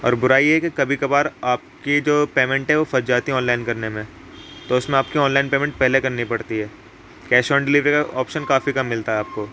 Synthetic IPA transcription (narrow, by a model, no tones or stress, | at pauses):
ɔ̰ːɾbʊɾaːijeɦɛkikɐbʱikɐbaːɾaːp̚kid͡ʒoːpeːmɛ̃ɳʈɦɛʋofɐɾd͡ʒaːt̪ĩɔːnlaːɪnkɐɾnemẽ | t̪oːʊsmẽaːp̚kiɔːnlaːɪnpeːmɛ̃ɳʈ̚pɛɦlekɐɾnipɐɽt̪iɦɛː | kɛːʃɔːɳɖɪliːʋɾekaʔɔːpʃənkaːfikɐmːɪlt̪aɦɛaːp̚koː